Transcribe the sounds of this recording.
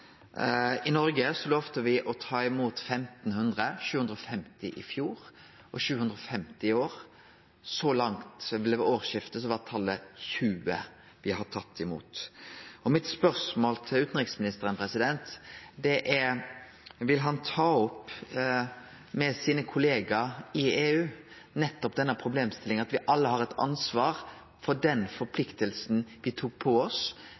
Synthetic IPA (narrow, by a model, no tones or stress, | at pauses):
ɪnɔɾɡəsɔloːʋt̪əʋɪʔɔt̪ʰɑːɪmuːt̪fɛmt̪n̩hʉnd̪ʁəçʉːhʉnd̪ʁɾɔfɛmt̪ɪʔɪ̰fjuːɾ | ʔɔʃʉːhʉnd̪ɾɔfɛmt̪ɪɪoːʁ | sɔlɑŋt̪ʋɪlɛʋoːʁʃɪft̪əs̬ɔʋɑt̪ʰɑlːəçʉːə̰ | ʋɪhɑt̪ʰɑt̪ʰːɪmṵːt̪ɔmɪt̪spœʁsmoːlt̪ʰɪlʉːt̪n̩ʁɪksmɪnɪst̪əɾənpʰɾɛsɪd̪ɛnt̪d̪ɛʔɛɾ | ʋɪlɦɑnt̪ʰɑːɔp | mɛsiːnəkʰʊleːɡɑɪeːʉː | nɛt̪ːɔpd̪ɛnːəpʰɾʊbleːmst̪ɪlːɪŋɑt̪ʋɪʔɑlːəɦɑɾɛt̪ɑ̰nsʋɑːɾ | fɔɖɛnfɔɾpʰlɪkt̪əlsn̩ʋɪt̪ʰuːk̚pʰɔɔs